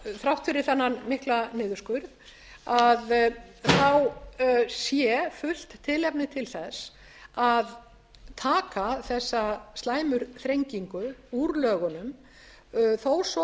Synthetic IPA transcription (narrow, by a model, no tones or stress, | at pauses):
θɾawht̪fʏɾɪθanːanmɪhklanɪːðʏɾskʏɾ | aðθaw | sjɛfʏl̥t̪ʰːɪlɛp̚nɪt̪ʰɪlθɛs | að | t̪ʰaːkaθɛsːast̪laːjmʏɾ̥θɾejɲciŋkʏuɾlœːɣʏnʏm | θows